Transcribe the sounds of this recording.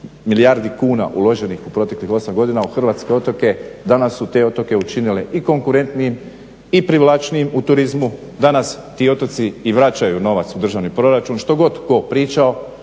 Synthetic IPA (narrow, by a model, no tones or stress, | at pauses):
milijaɾd̪ikuːna̰ʔulˠo̞ʒe̞nixupɾo̞t̪e̞klixo̞samɡo̞d̪inauxr̩ʋaːt̪ske̞o̞t̪o̞ke̞d̪anasːut̪e̞o̞t̪o̞ke̞ut͡ʃinile̞ʔiko̞ŋkuɾe̞nt̪nijem | ipɾiʋlˠat͡ʃnijemut̪uɾizmu | d̪anas | t̪iːo̞t̪ot̪siːʋɾat͡ɕajuno̞ʋat̪sud̪r̩ʒaʋnipɾo̞ɾat͡ʃunʃt̪o̞ɡo̞t̪ko̞pɾiːt͡ʃao̞